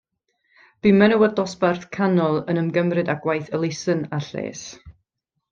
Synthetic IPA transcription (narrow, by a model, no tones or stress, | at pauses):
b̥imɛnəwədɔsbarθkʰanɔlˠənəmɡəmrɨdaɡwajθəlˠɪsənaɬḛːs